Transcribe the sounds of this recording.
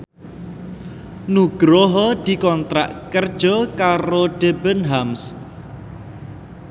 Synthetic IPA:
nuɡ̥ɾoɦɔd̪̥i̤kɔnt̪ɾa̰ʔkərd̥ʒ̥ɔkaɾoɖ̥ebənɦams

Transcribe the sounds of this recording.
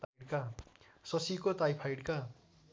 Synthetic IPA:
ɽka | sʌsikot̪ajpʰajɽka

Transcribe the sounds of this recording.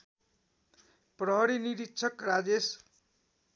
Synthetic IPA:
prʌɦʌɾiniɾit̪ːt͡sʰʌkrad͡zes

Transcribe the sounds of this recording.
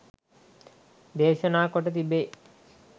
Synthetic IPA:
d̪eːʃənaːkoʈət̪ibe

